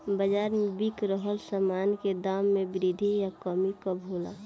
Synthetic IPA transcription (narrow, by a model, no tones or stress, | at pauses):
bəd͡ʒaːɾmebikɾəɦəlsəmaːnked̪aːmːẽbɾid̪ʱijakəmikəbʱola̰ː